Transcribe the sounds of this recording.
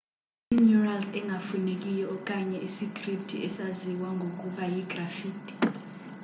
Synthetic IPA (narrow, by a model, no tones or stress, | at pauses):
injuralsɛŋʱafunek̬ʼijɔk̬ʼaɲɛʔisikʰʼriptʰiʔɛsaziwaŋʱok̬ʼuɓajiɡrafiːtʰʼi̥